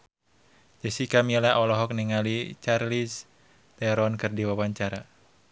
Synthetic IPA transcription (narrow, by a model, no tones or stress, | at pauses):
d͡ʒəsikamilaɔlɔɦɔk̚niŋalit͡ʃarlis | t̪ɛɾɔnkɨrdiwawaɲt͡ʃaɾa